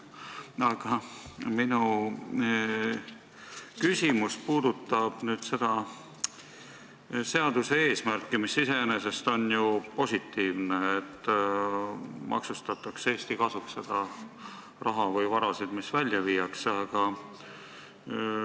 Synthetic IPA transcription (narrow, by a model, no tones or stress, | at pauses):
ɑɡ̥ɑminu | kysʲimuspuːd̪ut̪ːˑɑb̥nyːd̪̥se̞d̪̥ɑ | se̞ɑd̪̥use̞e̞ːsmærkːimisːise̞ene̞se̞st̪o̞njupo̞sʲit̪ːiːvneːt̪ː | mʔɑ̰ksust̪ɑt̪ːˑɑkse̞ːst̪ikɑsuksːe̞d̪̥ɑ | rʔɑɦɑvɤjvɑɾɑsid̪̥misvælʲjɑviːjɑksɑɡ̥ɑ